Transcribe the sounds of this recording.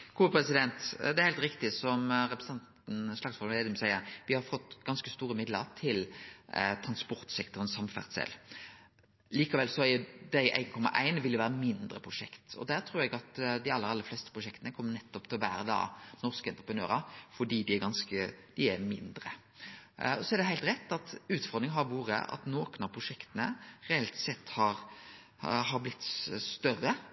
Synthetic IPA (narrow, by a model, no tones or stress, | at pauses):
ɡ̥uːəpʰɾɛsɪd̪ɛnt̪d̪ɛæɾhæɪlt̪ɾɪkt̪ɪsɔmɾɛpɾəs̩ɑnt̪n̩slɑɡsfɔɾmɛd̪ɪmsæɪəɾʋɪhɑɾfɔt̪ːɡ̥ɑnskəst̪uːɾəmɪd̪ləɾt̪ʰɪl | t̪ʰɾɑnspɔɾt̪sɛkt̪ɔʁənsɑmfæ̰ʁt̪sɛ̰l | liːkɑʋɛlsɔæɾjʊd̪æɪʔæ̰ɪnkʰɔmːɑ̰ʔæ̰ɪnʋɪljʊʋæːɾəmɪnd̪ɾəpʰʁʊʂɛkt̪ɔ̰d̪æɾt̪ʰɾuːɾɛɡɑt̪d̪ɪɑlːəɾɑlːəflɛːst̪ə̥pʰɾʊʂɛkt̪ənəkʰɔmːənɛt̪ːɔpt̪ʰɪlʋæːɾəd̪ɑ̰ːnɔɾskəɛnt̪ɾəpʰɾənø̰ːɾɑfɔɖiːd̪ɪæɾɡɑnskəd̪̥ɪæɾmɪnd̪ɾə̰ | ɔsɔɛɾd̪ɛɦæɪlt̪ɾɛt̪ːɑt̪ʉːt̪fɔɾd̪ʁɪŋɦɑɾʋuːɾə̰ʔɑ̰t̪noːkənɑʋpʰɾʊʂɛkt̪ənəɾɛɛlt̪sɛt̪ːhɑɾ | ɦɑɾblɪt̪ːst̪œrːə